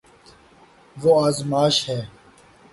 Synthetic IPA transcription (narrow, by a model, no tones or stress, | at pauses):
ʋoːaːzmaːʃhɛː